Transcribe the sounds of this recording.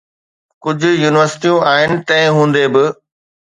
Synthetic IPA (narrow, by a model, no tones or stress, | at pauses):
kʊd͡ʑʱʊ̆juːnɪʋəɾsɪ̥ʈijũaːɦɪnɪ̆t̪ɐ̃ɪ̃ɦũːn̆d̪ebɪ